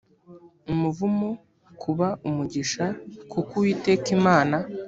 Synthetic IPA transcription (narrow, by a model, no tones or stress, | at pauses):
umuvumo | kʰuβaʔumuɟiʃakʰukuwitekimaːna